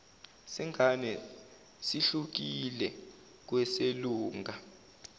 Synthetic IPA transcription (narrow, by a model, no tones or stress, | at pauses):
siŋʱanɛ | siɬuk̬ilɛ | k̬wɛseluːŋɡʱa